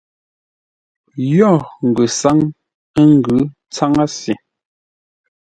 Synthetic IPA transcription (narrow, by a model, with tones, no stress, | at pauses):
jɔ˦˨ŋ̩˨ɡʉ˨sa˦ŋ | ə˦ŋ˦ɡʉ˨˦ | t͡sa˦ŋa˦si˨